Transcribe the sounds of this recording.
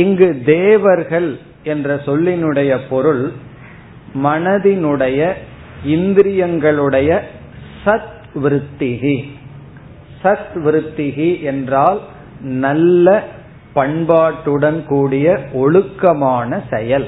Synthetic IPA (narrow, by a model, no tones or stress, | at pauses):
ɪŋɡɯd̪eːʋɐɾɣɐɭ | ɛndrɐsɔlːɪnɯɽɐjɐpɔɾɯɭ | mɐnɐðɪnɯɽɐjɐ | ɪnd̪ɪɾɪjɐŋɡɐɭɯɽɐjɐ | sɐt̪ | ʋɪɾɯt̪ːɪɣi | sɐt̪ʋɪɾɯt̪ːɪɣiʔɛndraːl | nɐlːɐ | pɐɳbaːʈːɯɽɐnkuːɽɪjɐɔɭɯkːɐmaːnɐsɛjɐl